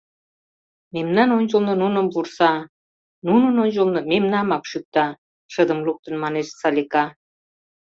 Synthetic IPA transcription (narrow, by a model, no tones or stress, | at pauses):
memnɑnonʲd͡ʑəlnɤ̆nunəmpursɑ | nunə̆nonʲd͡ʑəlnɤ̆memnɑmɑkʃyk̚t̪ɑ | ʃəd̪ə̆mluk̚t̪ə̆nmɑneʃsɑlʲikɑ